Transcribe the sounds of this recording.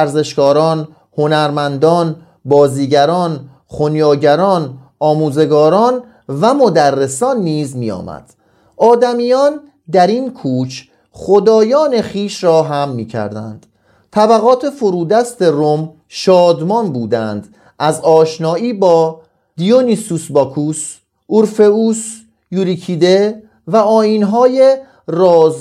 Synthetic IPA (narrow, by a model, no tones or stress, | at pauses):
æɾze̞ʃkɒːɾɒːn | ho̞næɾmænd̪ɒːn | bɒːziːɟæɾɒːn | χonjɒːɟæɾɒːn | ɒːmuːze̞ɡɒːɾɒːn | væmo̞d̪ærːe̞sɒːnːiːzmiːjɒ̰ːmæ̰d̪̥ | ɒːd̪æmiːjɒːn | d̪æɾinkʰuːt͡ʃʰ | χo̞d̪ɒːjɒːne̞χiːʃɾɒːɦæmːiːcʰæ̰ɾd̪æ̰nd̪̥ | t̪ʰæbæɣɒːt̪ʰe̞fo̞ɾuːd̪æst̪e̞rom | ʃɒːd̪mɒnbuːd̪ænd̪̥ | ʔæzɒːʃnɒːiːbɒː | d̪̥ijonisusbɒkʰus | uɾfe̞us | juːɾikʰiːd̪e | væɒːjiːnɦɒːje | rɒːz